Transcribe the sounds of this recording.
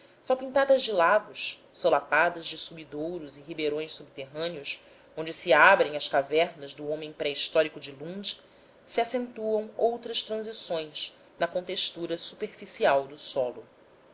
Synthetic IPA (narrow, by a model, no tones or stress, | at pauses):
sawpĩnt̪ad̪ɐzd͡ʒɪlaɡʊʃsolapad̪ɐzd͡ʒɪsubid̪owɾʊziɦibeɾõj̃ssub̚t̪eɦɐ̃niʊs | õnd͡ʒɪsɪabɾẽj̃ŋ̃ɐskavɛɾnɐzd̪ʊõmẽj̃pɾɛiʃt̪ɔɾikʊd͡ʒɪlũnd͡ʒi | siasẽnt̪uɐ̃w̃owt̪ɾɐʃt̪ɾɐ̃zisõj̃s | nɐkõt̪eʃt̪uɾɐsu̥peɾfisiawd̪ʊsɔlʊ